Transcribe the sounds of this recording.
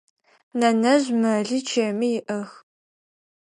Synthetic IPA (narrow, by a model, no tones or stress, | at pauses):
nɐnɐʑmɐɮiːt͡ʃʰeːmijɪʔɐx